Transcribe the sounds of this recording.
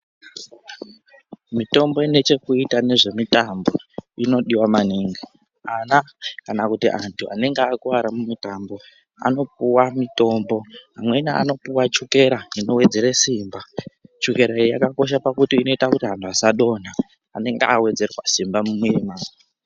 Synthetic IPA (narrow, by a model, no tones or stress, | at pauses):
mito̞mbo̞ine̞t͡ʃe̞kuitane̞ʐe̞mitambo̞ino̞ɗiwamaniːŋɡi | anakanakutḭʔantʰuane̞ŋɡeːkuwaɾamumitambo̞ | a̰no̞p̚uwamito̞mbo̞ɦamwe̞naa̰no̞puwat͡ʃuke̞ɾaino̞we̞d͡ze̞ɾesiːmbat͡ʃuke̞ɾaijakako̞ʃ̬apakutiːno̞itakutiɦantuasaɗo̞naː | ne̞ŋɡeawe̞d͡ze̞rwa̰simbamumweemaːi